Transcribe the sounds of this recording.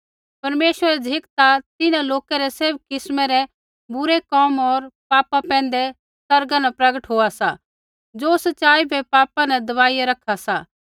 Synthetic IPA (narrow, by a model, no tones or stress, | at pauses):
pɐɾmeːʃʋəɾɛd͡ʒʱɪkt̪at̪ɪnãloːkɛɾɛseb̚kɪsmɛɾɛ | bʊɾekɔːmɔːɾpaːpapɛ̃ːn̆d̪ɛ | sɐɾɡãnapɾɐɡəʈɦoːasa | d͡ʒoːsɐtːt͡ʃaːibʱɛpaːpãnɛ̃d̪ɐʋaːijaɾɐkʰasa